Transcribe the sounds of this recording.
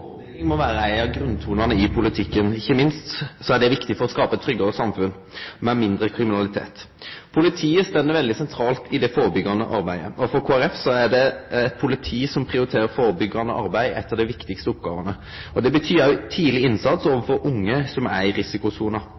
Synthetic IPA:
ɪŋmɔʋæːɾəæɪɑɡɾʉnt̪ʰuːnɑʁnəɪpʰʊlɪt̪ʰɪkːənɪçːəmɪnst̪sɔæɖ̪ɛʋɪkt̪ɪfɔɾɔskɑːpəɛt̪ʰːɾʏɡːɑəsɑmfʉn | mɛmɪnd̪ɾəkʰɾɪmɪnɑlɪt̪ʰḛːt̪ | pʰʊlɪt̪ʰiːəst̪ɛnːəɾʋɛld̪ɪsɛnt̪ʰɾɑːlt̪ʰɪd̪ɛfoːɾəbʏɡɑnə̰ʔɑɾbæɪəɔfɔɾkʰoːæɾɛfsɔæɖɛɛt̪̚pʰʊlɪt̪ʰiːsɔmpʰʁɪʊɾɪt̪ʰeːɾəfoːɾəbʏɡɑnə̰ʔɑ̰ɾbæɪɛ̰t̪ːəd̪ɛʋɪkt̪ɪkst̪əʊp̚ɡɑːʋənə | ɔd̪ɛbət̪ʰyːɾɑʉt̪ʰiːlɪɪnsɑt̪soːʋəfɔɾʊŋːəsɔmæɾɪsɪkʊsuːnɑ

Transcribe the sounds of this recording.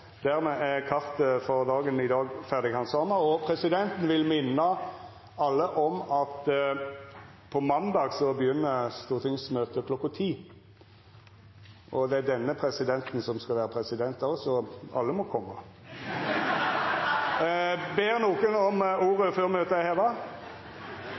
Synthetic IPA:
d̪̥æʁmɛʔæʁkʰɑʁt̪əfɔʁd̪ɑːɡənɪd̪ɑːɡfæʁd̪ɪɡhɑnsɑːməɔpʰʁɛsɪd̪ɛnt̪n̩ʋɪlmɪnːɑ | ɑlːəʔɔmɑt̪ | pʰɔmɑnd̪ɑːɡsɔbəjʏnːəst̪uːʁt̪ʰɪŋsmøːt̪əkʰlɔkːɑt̪ʰiː | ʔɔd̪ɛæd̪ɛnːəpʰʁɛsɪd̪ɛnt̪n̩sɔmskɑʋæːʁəpʰʁɛsɪd̪ɛnt̪ɑʁsɔɑ̰lːəmɔkʰɔmːɑ | beːʁnuːkənɔmuːʁəføːʁmøːt̪əæɪhɛːʋɑ

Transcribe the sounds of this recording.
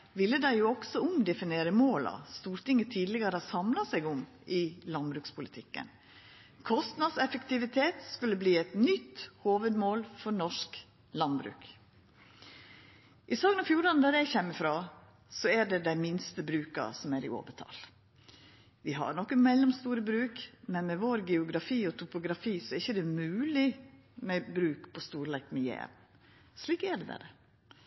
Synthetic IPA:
ʋɪlːəd̪æɪjuːɔɡ̥sɔʊmd̪ɛfɪneːɾəmoːlɑ̰st̪uːɾʈ̪ɪŋːət̪ʰiːd̪lɪɡəɾəɑsɑmlɑsæɪɡʊm | ʔɪlɑnbɾʉːkspʰʊlɪt̪ʰɪkːə̰n | kʰɔst̪nɑd̪sɛfəkt̪ɪʋɪt̪ʰeːt̪skʉlːəbliːɛt̪nʏt̪ːhoːʋəd̪moːlfɔɾnɔʂk | lɑnbɾʉ̰ːk | ʔɪsɑːɡənɑfjuːɾɑnəd̪æɾjæɪçɛmːəfɾoː | sɔæɖɛd̪æɪmɪnst̪əbɾʉːkɑ̰sɔmæɾɪ̰o̰ːʋət̪ʰɑ̰l | ʋɪɦɑ̰ɾɳɔkːəmɛlːɔmst̪uːɾəbɾʉːkmɛnmɛʋoːɾɡɛʊɡɾɑfiːɔt̪ʰʊpʊɡɾɑfiːsɔɛɾɪçːəd̪ɛmʉːlɪ | mɛbɾʉːkpʰɔst̪uːɾlɛkmɛjḛːʋ̪ | sliːkæɖɛd̪ɛ̰d̪ɛ̰

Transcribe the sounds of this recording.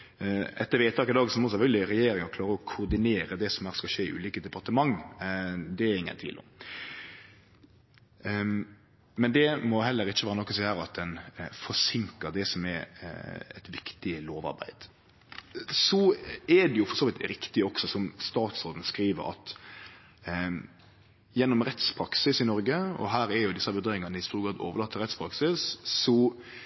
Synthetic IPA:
ɛt̪ːəɾʋeːt̪ʰɑːkɪd̪ɑːɡsɔmɔsɛfœlɡlɪɾɛjeːɾɪŋɑkʰlɑːɾəɔkʰʊɾd̪ɪneːɾəd̪ɛsɔmhæːʁskɑʃeːɪʔʉ̰ːliːkəd̪ɛpɑɾt̪əmɑŋː | d̪ɛæɾɪŋːə̰nt̪ʰʋḭːlɔ̰m | mɛnd̪ɛmɔɦɛlːəɾɪt͡ʃːəʋæːɾənɔkːɔsɛhæːɾɑt̪̚d̪ɛnfɔsɪŋkəɾd̪ɛsɔmɛɾ | ɛ̰t̪ʋɪkt̪ɪloːʋɑ̰ɾbæ̰ɪd̪̥ | sɔɛd̪ɛjʊfɔɾsoːʋɪt̪ɾɪkt̪ɪɔksɔsɔmst̪ɑːt̪sɾoːd̪n̩skɾiːʋə̰ɾɑ̰t̪ | jɛnːɔmɾɛt̪spʰɾɑksɪsɪnɔɾɡəɔ̰ɦæːɾɛɾjʊd̪ɪsːɑbəd̪eːɪŋɑnəɪst̪uːɾɡɾɑːd̪o̰ːʋəlɑːt̪ːəɾɛt̪spʰɾɑksɪsːɔ

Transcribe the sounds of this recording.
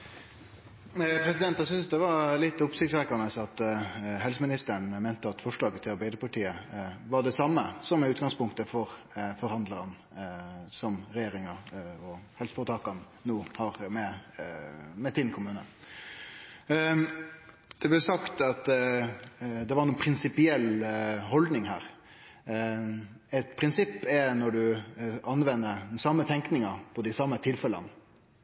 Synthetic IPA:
pɾɛsɪd̪ɛnt̪ɑsʏnsd̪ɛʋɑɾlɪt̪ːʊpsɪkt̪sɾɛkɑnəsɑt̪ɦɛlsəmɪnɪst̪əɳ̩meːnt̪əɑt̪fɔʂlɑːɡət̪ʰːɪlɑɾbæɪd̪əpɑʈiːəʋɑɖɛsɑmːəsɔmɪʉːt̪ɡɑŋspʊŋkt̪əfɔɾ | fɔɾhɑnd̪ləɾən | sɔmɾɛjeːɾɪŋɑɔhɛlsfɔːt̪ʰɑːkɑnːuːhɑɾmɛ | mɛt̪ʰɪnkʰʊmʉːnə | d̪̥ɛblɛsɑkt̪ɑt̪ | d̪ɛʋɑɾnuːnpʰɾɪnsɪpɪɛlːɦɔld̪nɪŋɦæ̰ːɾ | ɛt̪pʰɾɪnsɪpːɛnɔɖʉʔɑnʋɛnːəd̪ɛnsɑmːət̪ʰɛŋknɪŋɑpʰɔd̪ɪsɑmːət̪ʰɪlfɛlə̰n

